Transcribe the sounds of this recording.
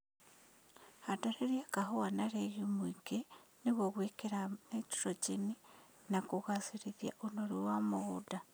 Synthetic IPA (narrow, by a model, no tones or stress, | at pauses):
hataɾeɾjakaɦowanaɾejumwiɡeniβwoɣwikeɾanetu̥ɾot͡ʃeni | nakuɣasiɾiðja̰ʔunoɾuwamuɣuda